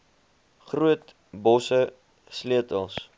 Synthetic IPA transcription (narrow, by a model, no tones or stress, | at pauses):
χruət | bɔsə | sliətəlˠs